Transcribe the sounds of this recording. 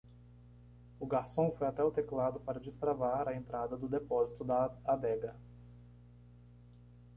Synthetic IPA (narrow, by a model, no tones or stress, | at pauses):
ʊɡaɾsõfojat̪ɛʊt̪eklad̪ʊpaɾɐd͡ʒist̪ɾavaɾɐẽnt̪ɾad̪ɐd̪ʊd̪epɔzit̪ʊd̪ɐad̪ɛɡɐ